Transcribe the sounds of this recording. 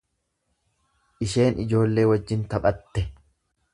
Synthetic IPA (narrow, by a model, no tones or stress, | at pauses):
ʔɪʃe̞ːnʔɪd͡ʒo̞ːlːe̞ːwɐd͡ʒːɪnt̪ɐɓʼɐt̪ːɛ